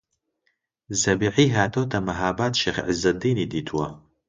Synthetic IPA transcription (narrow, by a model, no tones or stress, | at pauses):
zɐbiʕiːɦaːt̪ʰoːt̪ʰɐmɐɦaːbaːt̪ʃeːχʕizɐd̪iːnid̪iːt̪ʰuwɐ